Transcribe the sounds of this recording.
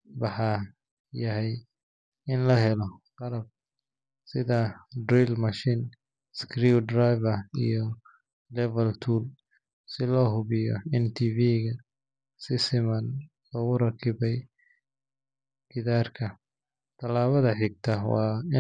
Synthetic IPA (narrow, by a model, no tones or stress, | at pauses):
wɑħɑ | jɐɦɛj | ɪnlɐɦɛlɔqɑlɐb̚ | sɪðɐdrilmɐʃiːn | skʰriːd̪rajβɐḭjɔ | lɛvɐlt̪ʰuːl | sɪlɔːɦʊβɪjɔ̰ɛnt̪ʰiːviːɣɐ | sɪsɪmɐn | lɔɣʊɾɐkʰɪβɛj | ɡ̥ɪðaːrkʰɐ | t̪ʰɐlaːβɐðɐħɪɡ̚t̪ʰɐwɑ̰ːɪ